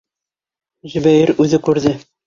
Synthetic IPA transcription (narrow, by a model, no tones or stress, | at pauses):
ʑɘ̆bæjɘɾʉðɘkʉɾðɘ